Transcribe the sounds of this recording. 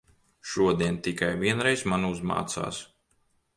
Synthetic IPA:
ʃuɔd̪iɛnt̪ikajvʲiɛnɾɛjsmanuzma̰ːt̪sa̰ːs

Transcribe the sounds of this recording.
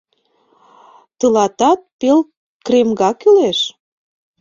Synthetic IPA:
t̪əlɑt̪ɑt̪̚pel | kremɡɑkyleʃ

